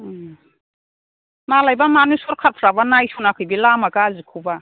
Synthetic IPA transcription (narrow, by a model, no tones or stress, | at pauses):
malajbamanusɔɾkʰaɾpʰɾabanajsunakʰɯjbilamaɡaːzikʰuba